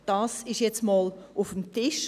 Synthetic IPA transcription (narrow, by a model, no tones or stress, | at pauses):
d̥ɑsɪʃjɛt͡smɑːlufəmtɪʃ